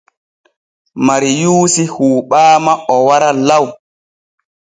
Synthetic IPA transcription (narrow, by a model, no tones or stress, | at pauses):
maɾijuːsihuːɓaːmaɔwaɾalaw